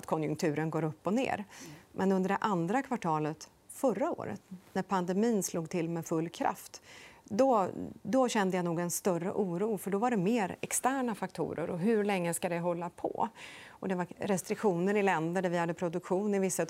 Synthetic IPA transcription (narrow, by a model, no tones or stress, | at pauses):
t̪kʰɔnjɵ̰ŋk̚t̪ʰʉ̟ːɾənɡoːɾɵpːɔnḛːɾmʔɛnɵnd̪əɖɛʔand̪ɾakʰvaʈʰɑːlət̪ | fœɾːao̰ːɾə̰t̪næɾpʰand̪ɛmiːnsluːɡt̪ʰɪlmɛfɵlːkʰɾa̰ft̪d̪ɔd̪ɔɕɛnd̪əjanuːɡɛnst̪œrə̰ʔuːɾuːfœɖɔvaɖɛmeːɾɛ̰kst̪æːɳafak̚t̪ʰṵːɾə̰ɾɔɦɵɾlɛŋːəskad̪ɛɦɔlːapʰɔ̰ | ɔd̪ɛvaɾɾɛst̪ɾɪkɧuːnəɾɪlɛnd̪əɖæɾvɪhad̪ːəpʰɾʊd̪ɵkɧuːnɪvɪsːa